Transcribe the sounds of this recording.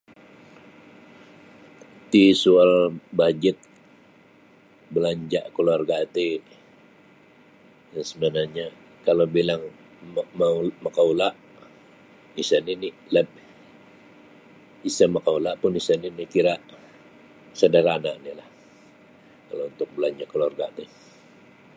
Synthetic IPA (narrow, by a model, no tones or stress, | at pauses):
t̪isualbad͡ʒɪt̪̚ | bəlaɲd͡ʒaʔkəluarɡaːt̪e | asəmanaɲa | kalobilaŋ | mamakaulaʔ | isanini | lɛp̚ | isəməkaulaʔpʊnisaninikiɾaʔ | sədaɾanaʔnilah | kalount̪ʊk̚bəlaɲd͡ʒaʔkəluarɡat̪e